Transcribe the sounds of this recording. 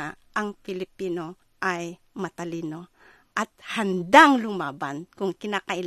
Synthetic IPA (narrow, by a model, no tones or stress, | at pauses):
ʔɐŋpɪlɪpiːno̞ | ʔaj | mɐt̪ɐliːno̞ | ʔat̪̚hand̪aŋlʊmaːbankʊŋkɪnaːkɐʔɪl